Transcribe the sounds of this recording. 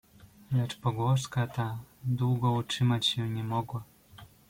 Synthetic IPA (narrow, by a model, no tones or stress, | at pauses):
lɛt͡ʂpɔɡwɔʂkat̪ad̪wuɡɔut͡ʂɘmat͡ɕɕɛɲɛmɔɡwa